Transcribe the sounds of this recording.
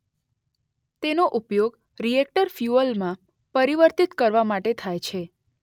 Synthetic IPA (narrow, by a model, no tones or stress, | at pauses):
t̪enoʔupjoɡ | ɾiek̚ʈəɾfjuəlmã | pəɾiʋəɾt̪it̪kəɾʋamaʈet̪ʰajt͡ʃʰe